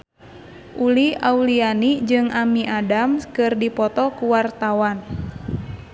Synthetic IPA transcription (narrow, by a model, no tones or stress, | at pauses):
ʔuliaulianid͡ʒɨŋʔamiʔadamkɨrdipɔt̪ɔkuwart̪awan